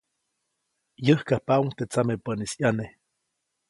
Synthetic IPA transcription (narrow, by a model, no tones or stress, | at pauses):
jəhkahpauŋt̪et͡samepənisjane